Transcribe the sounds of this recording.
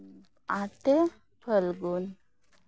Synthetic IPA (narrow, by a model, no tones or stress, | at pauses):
at̪e | pʰəlɡun